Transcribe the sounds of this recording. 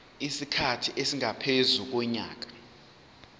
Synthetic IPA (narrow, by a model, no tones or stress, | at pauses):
isikʰatʰiʔesiŋapʰezuk̬wɛɲa̰ːk̬ḁ